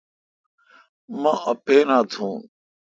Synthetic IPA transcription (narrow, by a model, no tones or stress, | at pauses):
mãːʔəpeːnãːt̪ʰũː